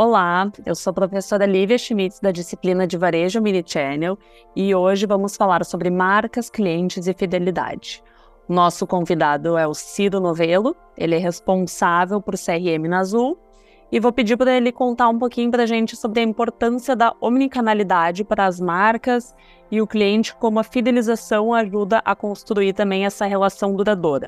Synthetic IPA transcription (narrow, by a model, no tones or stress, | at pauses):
olaḛwsoɐpɾofesoɾɐliviɐʃimit̪ɪsd̪ɐd͡ʒisiplinɐd͡ʒɪvaɾeʒɐminit͡ʃɛnew | ɪoʒɪvɐ̃mʊsfalaɾsobɾɪmaɾkɐskliẽnt͡ʃɪzɪfid̪elid̪a̰d͡ʒɪ | ʊnɔsʊkõvid̪ad̪ʊɛʊsiɾʊnovelʊ | ḛlɪɛɦespõsavewpoɾseɛhɪẽmɪnazuw | ɪvopɪd͡ʒiɾpɾɐelɪkõnt̪aɾũpokĩɲʊpɾɐʒẽnt͡ʃɪ̥sobɾɪɐĩmpoɾt̪ɐ̃siɐd̪ɐomnikanalid̪ad͡ʒɪpaɾɐːzmaɾkɐz | ɪʊkliẽnt͡ʃɪ̥kõmʊɐfid̪elizasɐ̃w̃aʒud̪ɐʔɐkõst̪ɾuiɾt̪ɐ̃mbẽj̃ɛsɐɦelasɐ̃w̃d̪uɾad̪oɾɐ̰